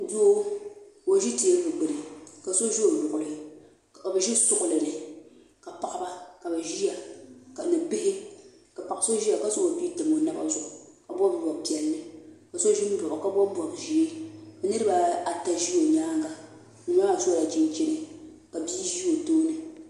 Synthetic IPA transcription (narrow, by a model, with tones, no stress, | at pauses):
do˦o˨ʒi˦ti˨ɛ˦bɨ˨ɡ͡bɨ˨ɾɨ˨ka˨so˦ʒi˦o˨lʊ˨ʔʊ˨lɨ˨ | ka˨bɛ˨ʒi˦sʊ˦ʔʊ˨lɨ˨nɨ˨ | ka˨pa˨ʔa˦ba˦ka˨bɛ˨ʒi˦ja˨ka˨nɨ˨bɪ˦hɪ˦ | ka˨pa˨ʔso˦ʒi˦ja˨ka˨so˦o˨biː˦tɨ˨mo˨˦na˦ba̰˦zʊ˨ʔʊ˨ | ka˨bʷɔ˦bbɔ˨bpi˨ɛ˨lːɨ˦ka˨so˦ʒi˦m̩˦bʊ˨ʔʊ˨ka˦bɔ˦bɔ˨bʒi˨e˦bɛ˨nɨ˦ɾɨ˦ba˨a˨ta˦ʒi˦o˨ɲaː˦ŋ˦ɡa˦ | nɨ˨m˦a˦a˨so˦la˨d͡ʒi˦n˦t͡ʃɛ˦nɨ˦˨ | ka˨biː˦ʒi˦o˨toː˦nɨ˨